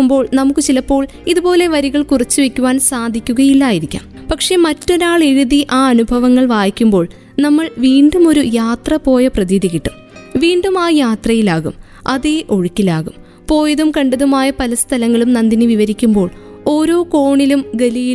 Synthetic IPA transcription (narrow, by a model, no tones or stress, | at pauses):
umbo̞ːɭnɐmukːɨt͡ɕilɐpːo̞ːɭ | iðubo̞ːle̞ʋɐɾiɣɐɭkurɐt͡ɕːɨʋe̞kʲːuʋaːnsaːd̪ʱikʲːuɣɐjilːaːjiɾikʲːa̰ːm | pɐkʂe̞mɐtːo̞ɾaːɭeɻuðiʔaːɐnubʱɐʋɐŋːɐɭʋaːjikʲːumbo̞ːɭ | nɐmːɐɭʋiːɳɖumo̞ɾujaːt̪rɐpo̞ːjɐprɐðiːd̪ʱikʲːiʈːum | ʋiːɳɖumaːjaːt̪rɐjilaːɣum | ʔɐðeʔo̞ɻukʲːilaːɣum | po̞ːjɐðumkɐɳɖɐðumaːjɐpɐlɐst̪ʰɐlɐŋːɐɭumnɐnd̪inɨʋiʋɐɾikʲːumbo̞ːɭo̞ːɾo̞ːko̞ːɳilumɡɐliji